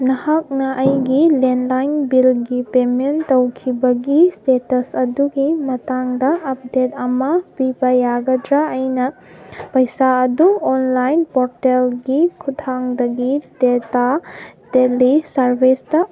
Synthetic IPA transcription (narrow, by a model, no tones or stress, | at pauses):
nɐhak̚nɐʔɐjɡilenlajnbilɡipementɐwkʰibɐɡistetɐsɐduɡimɐtaŋdɐʔːp̚det̚ɐmɐpibɐjaɡɐdɾaʔːjnɐpɐjsaɐduonlajnpoɾtelɡikʰutʰaŋdɐɡidetad̥elisɐɾbʱistɐ